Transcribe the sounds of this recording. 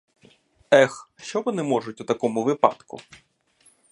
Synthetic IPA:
ɛxʃt͡ʃɔʋɔnɪmɔʐʊtʲut̪ɐkɔmʊʋɪpɑ̰t̪kʊ̰

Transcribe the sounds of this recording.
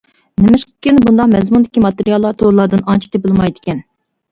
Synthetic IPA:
nɪmɪʃqə̥kʲɪnbund̪ɑqmɛzmund̪ɪkʲimɑt̪eɾijɑlˠːɑt̪ʰoɾlˠɑɾd̪ɨnɑnt͡ʃʰi̥t̪ʰepɪlˠmɑjd̪ɪkʲɛn

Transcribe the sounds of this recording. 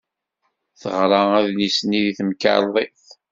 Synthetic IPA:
θəʁɾˤɑæðnisniðiθəmka̰ɾðˤiθ

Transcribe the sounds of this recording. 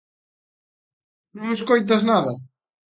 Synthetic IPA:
nõŋeskojt̪̬aznaðɐ

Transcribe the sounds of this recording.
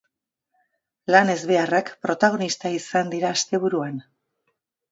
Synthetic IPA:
lane̞zβe̞arakpɾo̞t̪aɣ̞o̞nist̪aisand̪iɾaːst̪e̞βuɾuan

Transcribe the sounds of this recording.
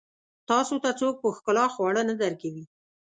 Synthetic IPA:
t̪ɑsot̪at͡sok̚pəxkʊlɑxwɑɽənad̪aɾkawi

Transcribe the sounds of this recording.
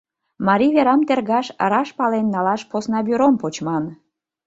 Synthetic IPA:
mɑɾʲiβeɾɑmt̪erɣɑʃɾɑʃpɑlenːɑlɑʃposnɑbyɾompot͡ɕmɑn

